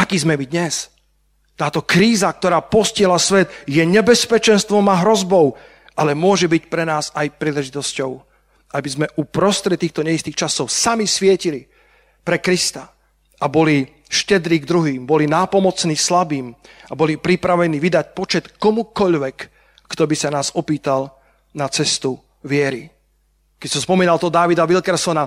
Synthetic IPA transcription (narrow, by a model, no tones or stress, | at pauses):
ʔakiːzmɛmid̪ɲɛs | t̪aːt̪ɔkɾiːzak̚t̪ɔɾaːpɔscɪɛɦlasʋɛd̪jɛɲɛbɛspɛt͡ʃɛnst̪ʋɔmaɦɾɔzbɔʊ | ʔalɛmʊɔʒɛbicpɾɛnaːzajpɾiːlɛʒit̪ɔscɔʊ | ʔabizmɛʔupɾɔst̪ɾɛt̪ːiːxt̪ɔɲɛist̪iːxt͡ʃasɔʊsamisʋɪɛcili | pɾɛkɾist̪a | ʔabɔli | ʃcɛd̪ɾiːɡd̪ɾuɦiːmbɔlinaːpɔmɔt͡sniːslabiːmabɔlipɾipɾaʋɛniːʋid̪ac̚pɔt͡ʃɛt̪kɔmukɔʎʋɛkː | t̪ɔbisanaːzɔpiːt̪al | nat͡sɛst̪u | ʋɪɛɾi | kɛcsaspɔmiːnalt̪ɔd̪aʋid̪aʋiʎkɛɾsɔna